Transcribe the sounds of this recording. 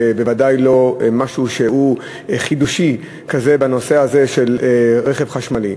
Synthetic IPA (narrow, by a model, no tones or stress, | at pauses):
bevadajlo̞maʃuʃehu | χid̪uʃi | kaze̞bano̞se̞aze̞ʃe̞lʁeχevχaʃmali